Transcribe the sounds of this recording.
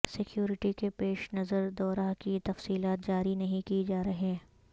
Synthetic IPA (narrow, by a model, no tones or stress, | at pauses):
sɪkjuːɾɪʈikepeːʃnɐzəɾd̪ɔːɾakit̪ɐfsiːlaːt̪̚d͡ʒaːɾinɐɦĩkid͡ʒaːɾɐɦẽː